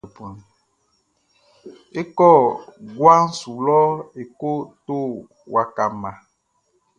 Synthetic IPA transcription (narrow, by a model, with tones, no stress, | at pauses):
pu˨n˨ | e˦kɔ˦˨ɡwa˦n̩˦su˨lɔ˦e˨ko˦t̪o˦ | wa˨ka˨mã˨